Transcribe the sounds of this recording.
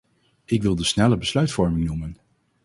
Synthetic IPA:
ɪkʋɪlˠdəsnɛləbəslœɥtfɔɹmɪŋnumən

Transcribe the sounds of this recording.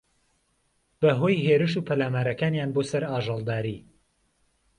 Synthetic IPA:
b̥ɐɦo̞jɦeːɾɨʃuːpʰɐlaːmaːɾɐkaːnjaːnbosɐɾaːʒɑlˠd̪aːɾi

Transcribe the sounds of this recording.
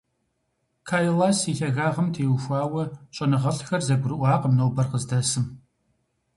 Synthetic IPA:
kʰaːjlaːsiɬɐɣaːʁɐmtʰeːwʃʷaːwɐɕʼɐnɨʁɐɬxɐrzɐɡʷʊɾɨʔʷɑːqəmnowbɐrqəzdɐsɨm

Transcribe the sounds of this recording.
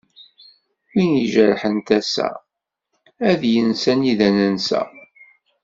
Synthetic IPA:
winjəʒəɾħənt̪æsæ̰ | æðjənsæniðænənsæ̰

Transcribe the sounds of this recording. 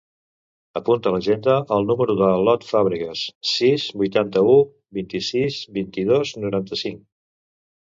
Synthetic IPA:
əpunt̪ələʒend̪əʔəlˠnuməɾuðəlɔt̪faβɾikəsːizbujt̪ant̪əu | bint̪isizbint̪iðoznuɾant̪əsiŋ

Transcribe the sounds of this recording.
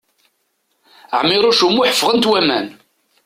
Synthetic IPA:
ʕmːɪɾˤoʃumːuħəfːʁənt̪wæmæ̰n

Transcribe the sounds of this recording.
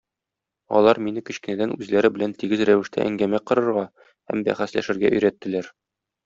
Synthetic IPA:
ɒ̰lˠɑɾminɘkɵ̆ɕkɘ̆næd̪ænʉzlæɾɘbɘ̆lænt̪iɡɘzɾæwɘ̆ʃt̪æ̰ʔæ̰ŋɡæmæqɤ̆ɾɤ̆ɾʁɑ | hæ̰mbæ̰χæslæ̰ʃɘ̆ɾɡæʔɵ̆jɾæt̪ːɘ̆læɾ

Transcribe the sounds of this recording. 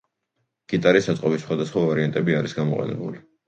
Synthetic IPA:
ɡ̥it̪ʼaɾisːat̪sʼqʼɔbisːχwad̪asχwavaɾiant̪ʼɛbiaɾisɡamɔqʼɛ̰nɛ̰buli

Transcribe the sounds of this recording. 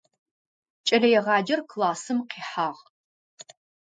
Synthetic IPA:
t͡ʃʼɐlɐjɛʁɑːd͡ʒɐrkʰlaːsɨmqiːħaːʁ

